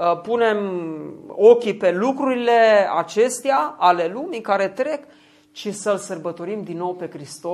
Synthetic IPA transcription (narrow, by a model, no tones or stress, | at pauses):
pune̞m | o̞kʲipe̞lukɾuɾile̞a̰t͡ʃe̞st̪eaale̞lumikaɾe̞t̪ɾe̞k | t͡ʃisəlsərbət̪o̞ɾimd̪inːo̞wpe̞kɾist̪o